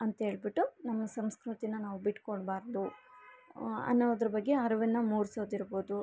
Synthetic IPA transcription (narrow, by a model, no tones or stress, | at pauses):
ɐnt̪ɐɦe̞ːɭbiʈːunɐmːɐsɐmskɾut̪inɐnaːʋubiʈːkoɽbaːɾd̪u | ɐ̰nːoːd̪ɐɾɐbɐɡːe̞ɐɾɐʋinːɐmuːɾso̞ːd̪iɾbo̞ːd̪u